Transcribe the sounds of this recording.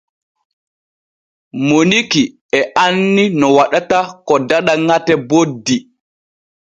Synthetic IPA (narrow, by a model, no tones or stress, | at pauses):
moniki | ɛʔanːinɔwaɗatakɔdaɗaŋatɛbodːi